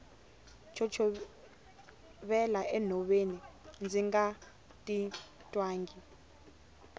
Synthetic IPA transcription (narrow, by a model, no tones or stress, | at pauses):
t͡ʃʰɔt͡ʃʰɔ | ɓɛlaʔɛn̤ʱɔɓenind͡zʱiŋɡa | tʼi | tʼwaːŋɡi